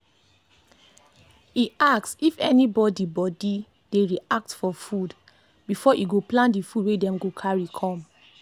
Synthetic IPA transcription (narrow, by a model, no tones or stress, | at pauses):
iaksifɛnibɔdibɔdi | d̥eɹiak̚tfɔfud | bifɔʔiɡoplãntdifudwedɛ̃mɡokʰaɹikʰɔ̃m